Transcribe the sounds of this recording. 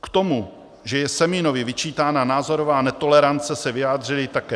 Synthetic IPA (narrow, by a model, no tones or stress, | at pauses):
kt̪o̞mu | ʒɛjɛsɛmɪno̞vɪvɪt͡ʃiːt̪aːnanaːzo̞ɾovaːnɛt̪o̞lɛɾant͡sɛsɛvɪjaːd̪r̝ɪlɪt̪akɛː